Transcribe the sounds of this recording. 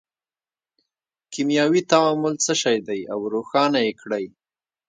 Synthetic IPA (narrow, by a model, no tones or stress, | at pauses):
kimjɑwit̪awɑmʊlt͡səʃɑjd̪ajawɾoxɑnajekɽaj